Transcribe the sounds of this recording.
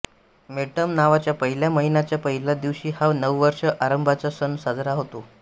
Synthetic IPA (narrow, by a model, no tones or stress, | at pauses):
meʈəmnaʋat͡ɕjapəɦiljaməɦinat͡ɕjapəɦilad̪iʋɕiːhaʋnəʋʋəɾʂəʔaɾəmbʱat͡sasənsad͡zɾaɦot̪o